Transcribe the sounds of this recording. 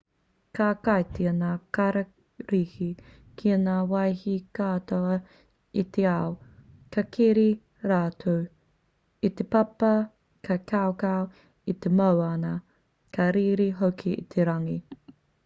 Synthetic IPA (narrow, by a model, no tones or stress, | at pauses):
kaːkajtiɐnaːkɐɾɐ | ɾihi | kʰiɐnaːwɐjhikaːtoɐ | it̪ʰeaw | kɐkʰiɾi | ɾaːtʰow | it̪epɐpɐ | kʰɐkawkaw | it̪emowɐnɐ | kʰɐɾiːɾiɦokʰiḭt̪ʰeɾɐŋi